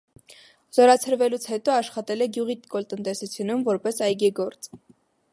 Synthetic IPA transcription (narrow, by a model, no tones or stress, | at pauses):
z̥ɔɾɑt͡sʰəɾvɛlut͡sʰhɛt̪ɔɑʃχɑt̪ɛlɛɡjuʁit̪kɔlt̪ənt̪ɛsut͡sʰjunumvɔɾpɛsɑjɡiɡɔɾt͡s